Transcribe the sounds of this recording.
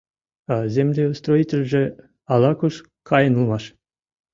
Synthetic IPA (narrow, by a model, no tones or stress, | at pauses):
ɑzʲemlʲeust̪ɾoitʲelʲʒɘ̆ | ɑlˠɑkuʃ | kʰɑjənulˠmɑʃ